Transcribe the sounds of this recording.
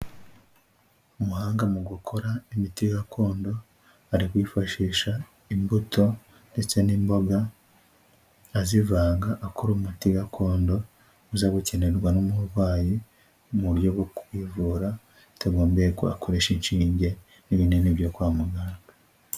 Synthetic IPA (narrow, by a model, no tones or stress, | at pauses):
umuhaːŋɡamuɡukʰo̞ɾaimitiɡakʰo̞ːndo̞ | aɾikwiːfaʃiːʃa | imbutʰo̞ | nde̞t͡se̞nimbo̞ɡa | zivaːŋɡaʔːkoɾumutiɡakʰo̞ːndo̞ | uzaɡuce̞ne̞ɾɡwanomuβaːji | muɾjo̞ɡokuwivuɾa | taɡo̞ːmbeɾeko̰a̰kʰoɾe̞ʃinʃiːɲɟe̞ | niβineniβjo̞kwaːmuɡaːŋɡa